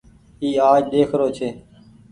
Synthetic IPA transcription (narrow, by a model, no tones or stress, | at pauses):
iːaːd͡ʒɗeːkʰɾoːt͡ʃʰeː